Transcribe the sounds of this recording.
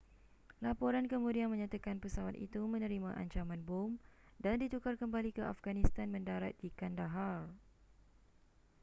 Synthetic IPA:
lapɔɾankəmũdianmə̃ɲãt̪akanpəsawat̪ḭt̪umə̃nə̃ɾimãʔa̰ɲt͡ʃamãnbʊm | dandit̪ukarkəmbalikəʔafɡanist̪anmə̃ndaɾat̪̚dikandaɦal

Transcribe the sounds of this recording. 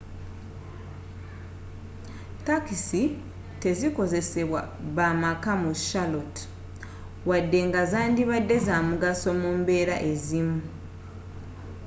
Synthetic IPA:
takisi | te̞ziko̞ze̞se̞βwaβamakamuʃalot | wadːe̞ŋɡazaːndiβadːe̞zamuɡaso̞muːmbe̞ːɾaʔe̞zimu

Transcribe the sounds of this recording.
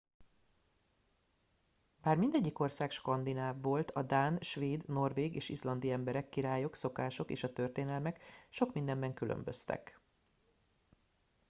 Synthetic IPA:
b̥aːrmind̪ɛɟːiko̞rsaːkʃkɒnd̪inaːvːo̞lt̪ʰɒd̪aːnʃʋeːd̪no̞rveːɡeːʃizlɒnd̪iɛmbɛɾɛkːiɾaːjo̞kso̞kaːʃo̞kḛːʃɒt̪ø̞rt̪eːnɛlmɛkʃokmind̪ɛmbɛŋkylø̰mbø̰st̪ɛ̰k

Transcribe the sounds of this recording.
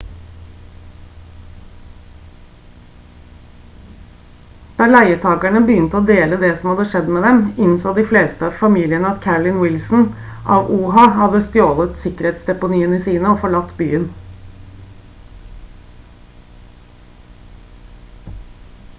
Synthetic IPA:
d̪̥ɑːɭæɪəʈʰɑːkæɳəbəjʏnt̪əoːd̪eːləd̪ɛːsɔm̩hɑd̪əʂɛd̪meːd̪ɛmɪnsoːd̪ɪfleːst̪əɑːʋfɑmiːlɪənəɑt̪kʰæɹlɪnwɪlsn̩ʔɑːʋuːɦɑhɑd̪əst̪joːlət̪sɪkəɾeːt̪sd̪ɛpʊniːəniːsiːnəoːfɔɭɑt̪ːby̰ːən

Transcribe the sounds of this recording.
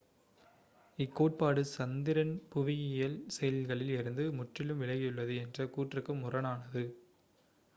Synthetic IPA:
ɪkːoːʈ̚paːɽɯsɐnd̪ɪɾɐnpʊʋɪjɪjɐlsɛjɐlɣɐɭɪlɪɾɯnd̪ɯmʊʈrɪlɯmʋɪlɐɣɪjɯɭːɐðɯɛndrɐkuːʈrɯkːɯmʊrɐnaːnɐðɯ

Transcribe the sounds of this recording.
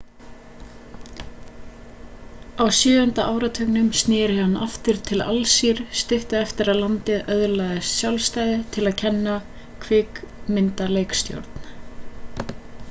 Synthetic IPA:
awsjʏːʏnt̪aʔaːwɾat̪ʰœknʏmst̪nɪːɾɪhanːa̰ft̪ɪɾ̥t̪ʰɪla̰lsiɾ̥st̪ɪht̪ʏɛft̪ɪɾaðlant̪ɪðœðlaːðɪsːjawlst̪aːjðɪt̪ʰɪlaðcʰɛnːa | kʰvɪːkmɪnt̪aleːjkst̪jo̰wɾt̪n̥

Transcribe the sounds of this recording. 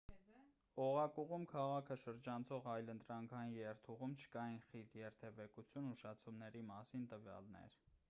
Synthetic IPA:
ɔʁɑkuʁumkʰɑʁɑkʰəʃəɾd͡ʒɑnt͡sʰɔʁɑjlənt̪ɾɑŋkʰɑjinjɛɾt̪ʰuʁumt͡ʃʰə̥kɑjinχit̪ʰjɛɾt̪ʰɛvɛkut͡sʰjunuʃɑt͡sʰumnɛɾimɑsint̪əvjɑ̰lnɛ̰ɾ

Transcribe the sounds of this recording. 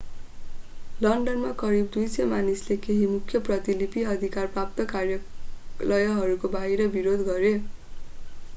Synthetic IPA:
lʌɳɖʌnmakʌɾib̚d̪ujsʌmanislekeɦimukʰjʌprʌt̪ilipiʌd̪ʱikarprap̚t̪ʌkarjʌlʌjʌɦʌɾukobaɦiɾʌbiɾod̪ɡʌɾe

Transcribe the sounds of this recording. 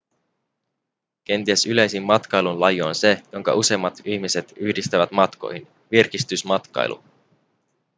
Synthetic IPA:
ke̞nt̪iesyle̞jsimːɑt̪kɑjlunlɑjoonse̞jo̞ŋkɑ̰ʔuse̞mːɑt̪içmise̞t̪yçdist̪æʋæt̪mɑt̪ko̞̰jhin | ʋirk̟ist̪ysmɑt̪kɑ̰j̰lʔṵ

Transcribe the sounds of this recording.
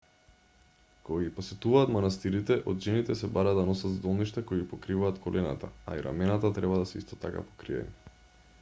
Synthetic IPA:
koɡaɡiposɛt̪uvaːt̪manast̪iɾit̪ɛʔɔd̪ʒɛnit̪ɛsɛbaɾad̪anɔsat̪zd̪ɔlˠniʃt̪akoiɡipɔkɾivaːt̪kʰɔlʔɛna̰t̪aa̰iɾa̰mɛnat̪at̪ɾɛbad̪asɛḭst̪ɔ̥t̪aka̰po̥kɾiɛ̰ni

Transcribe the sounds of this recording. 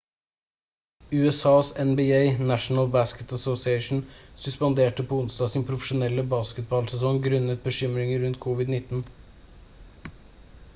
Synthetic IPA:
ʉːɛsɑːsɛnbiːeɪnæʃn̩əlbæskət̪əsosɪeɪʃn̩sʉspɑnd̪eːʈəpʰɔʊnsd̪ɑːsiːnpʰɾʊfəʃʊnɛlːəbɑːskət̪̚bɑːlsɛsɔŋɡɾʉnət̪̚bəʃʏmɾɪŋəɾʉnt̪̚kʰʊʋɪd̪nɪt̪ːn̩

